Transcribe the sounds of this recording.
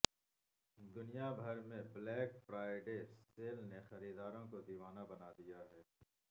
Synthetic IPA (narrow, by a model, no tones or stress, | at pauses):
d̪ʊnijabʱɐɾmẽblɛːkfɾaːɪɖeːseːlnexɐɾiːd̪aːɾõkod̪iːʋaːnabɐnaːd̪ijaɦɛː